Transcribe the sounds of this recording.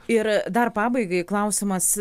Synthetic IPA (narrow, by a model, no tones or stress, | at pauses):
ɪɾd̪ɐrpɑːbɐɪɡɐɪklˠɐʊsʲɪmɐs